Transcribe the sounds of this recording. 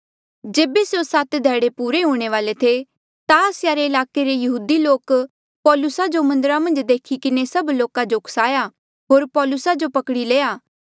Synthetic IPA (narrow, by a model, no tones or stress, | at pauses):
d͡ʒeːbesjosaːt̪d̪ʱɛːɽepuːɾeɦũːɽ̃eʋaːlet̪ʰe | t̪aəsjaɾeɪlaːkeɾejɐɦuːd̪iloːk | pɔːlʊsad͡ʒomɐ̃nd̪əɾamɐ̃nd͡ʒd̪eːkʰikɪnesɐbloːkãd͡ʒokʰsaːja | ɦoːɾpɔːlʊsad͡ʒopɐkɽileːaː